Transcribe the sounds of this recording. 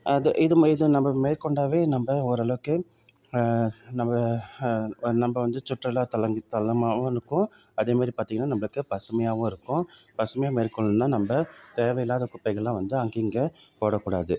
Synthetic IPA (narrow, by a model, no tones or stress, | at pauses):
ɐðɯʔɪðɯmɪðɯnɐmbɐmeːɾkɔɳɖaːʋeːnɐmbɐɔɾɯɐɭɐʋɯkːɯ | nɐmbɐ | nɐmbɐʋɐnd̪ɯt͡ʃʊʈrɐlaːt̪ɐlɐŋɡɯt̪ɐlɐmaːʋʊ̃ɪɾɯkːʊ̃ | ɐðeːmaːd̪ɾipaːɾt̪iŋɐnːaːnɐmbɐɭɯkːɯpɐsɯmɐjaːʋʊ̃ɪɾɯkːʊ̃ | pɐsɯmɐjaːmeːɾkɔɭɯnːaːnɐmbɐt̪eːʋɐjɪlaːðɐkʊpːɐɪɣɐɭlãːʋɐnd̪ɯɐŋɡiŋɡɐpoːɽɐkːuːɽaːðɯ